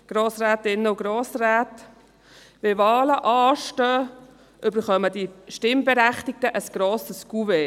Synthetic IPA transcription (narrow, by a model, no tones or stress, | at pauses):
ɡ̥ɾoːsɾæːt̪ɪnːəʊɡ̥ɾoːsræːt | ʋeʋɑːləʔɑːʃtœː | ʔʏbəχœmədiʃtɪmbɛɾæχt̪ɪk̚təʔəsɡ̥ɾoːsəsɡ̥uve